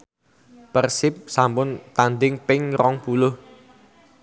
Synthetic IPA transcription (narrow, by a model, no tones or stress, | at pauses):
pərsɪp̚sampʊnt̪and̪ɪŋpɪŋrɔŋpulʊh